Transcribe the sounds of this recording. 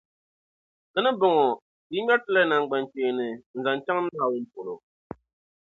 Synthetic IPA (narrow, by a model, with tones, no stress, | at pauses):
kɨ˦nɨ˦bʊ˨ŋɔ˨ | di˦ɲa˦tɨ˦la˦na˨ŋɡ͡ba˨nt͡ʃeː˨nɨ˨n̩˨za˨nt͡ʃa˦ŋ˦naː˦˨wʊ˦npo˨lo˨